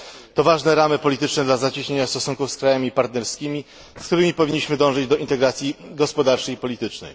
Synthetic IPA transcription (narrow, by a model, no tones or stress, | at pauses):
t̪ɔvaʐnɛɾamɘpɔlʲit̪ɘt͡ʂnɛd̪lazat͡ɕiɕɲeɲast̪ɔsuŋkufskɾajamʲipaɾt̪nɛɾskʲimʲi | skt̪uɾɘmʲipɔvʲiɲːiɕmɘd̪ɔ̃w̃ʐɛd͡ʑd̪ɔʔint̪ɛɡɾat̪sʲjiɡɔspɔd̪aɾt͡ʂɛjipɔlʲit̪ɘt͡ʂnɛ̰j